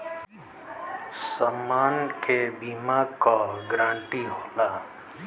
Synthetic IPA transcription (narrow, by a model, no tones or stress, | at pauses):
samaːnkebiːmakaɡɾãːɳʈiɦoːlaː